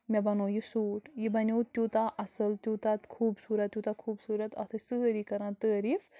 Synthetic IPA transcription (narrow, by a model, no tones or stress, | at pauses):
mɛ̃bɐnõːjisuːʈjibɐnʲowt̪ʲjuːt̪aʔɐsɐlt̪juːt̪at̪kʰuːbsuːɾɐt̪ʲːjut̪akʰuːbsuːɾɐt̪ɐt̪ʰɨsɨɾikɐɾãːt̪əːɾif